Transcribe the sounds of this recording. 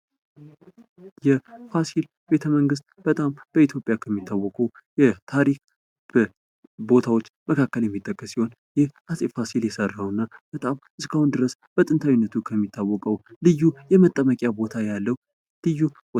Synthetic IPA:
jɛfasil | be̞t̪ʰəməŋɡɨs̬t̪̚b̥ət̪ʼamb̥əit̪ʰjo̞pʼjakʰəmːit̪ʰːawːɔkʼəw | jɛt̪ʰaɾik | b | bo̞t̪ʰawo̞t͡ʃːməkʰakːəljɛmːit̪ʼːəkʼːəsːiho̞n | jɪhasʼifasiljɛsərːawɨnːab̥ət̪ʼamʔɨskʰahund̪ɨɾəsb̥ət̪ʼɨnt̪ʰawinːət̪ʰukʰəmːit̪ʰːawːɔkʼəwlɨjːujɛmət̪ʼːəməkʼjabo̞t̪ʰajalːəhu | lɨjːu

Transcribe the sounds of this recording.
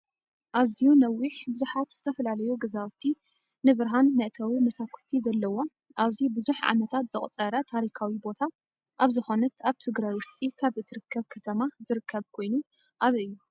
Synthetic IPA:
ʔazijunɐwːiħbɨzuħat̪z̥ɨt̪ʰɐfɐlalɐjuɡɐzat̪ʰːi | nɨβɨɾɦanmɐʔt̪ʰɐwimɐsakʰu̥t̪ʰizɐlːɐwo̞ | ʔaβzibɨzuħʕa̰mɐt̪ʰat̪z̥ɨχʼt͡sʼɐɾɐt̪ʰaɾikʰawibo̞t̪ʰa | ʔaβzɨxo̞nɨt̪aβt̪ʰɨɡɾajwʊɾt̪ʼikʰaβʔɨt̪ʰɨɾɨkʰːɐβkʰɐt̪ʰɐmazɨɾɨkʰːɐβkʰo̞jnu | ʔaβiɨjːu

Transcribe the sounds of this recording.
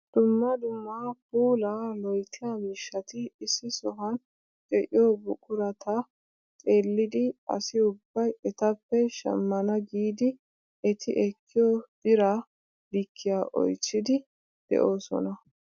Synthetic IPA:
d̪̥ʊmːɐd̪ʊmːaːpuːlalɔjt̪ːɪjamiːʃːɐt̪ɪːsːɪsɔɦɐn | t͡ʃʼɛʔɪjoːbʊkʼʊɾɐt̪ʰɐ | t̪ʼe̞ːlːɪd̪ɪɐ̰sɪʊbːɐjɛt̪ɐpːɛʃɐ̰mːɐnɐɡiːd̪ɪ | ɛt̪ʰɪʔɛkʰːɪjoːd̪̥ɪɾa | d̪ɪkʰːɪjaːʔɔ̰jt͡sːɪd̪ɪ | d̪̥ɛ̰ʔo̞ːsɔ̰nɐ

